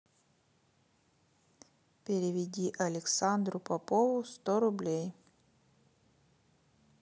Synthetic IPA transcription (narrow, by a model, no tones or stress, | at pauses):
pʲɪɾʲɪvʲɪdʲiʔɐlʲɪksand̪ɾʊpɐpovʊst̪oɾʊblʲej